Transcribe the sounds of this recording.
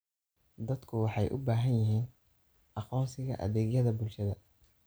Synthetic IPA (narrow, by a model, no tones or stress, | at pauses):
d̪ɐd̪kʰʊwɑħɑjʔʊ̰baːɦɐnjɪɦiːn | ʔɑqɔːnsɪɣɐ̰ʔɐ̰ðɛːɣjɐðɐbʊlʃɐðɐ